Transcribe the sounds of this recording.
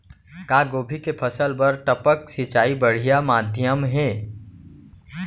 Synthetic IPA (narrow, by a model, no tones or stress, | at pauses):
kaːɡoːbʱikepʰəsəlpɐɾʈəpəksɪt͡ʃaːibəɽ̤ijamaːd̪ʱjəmɦɛː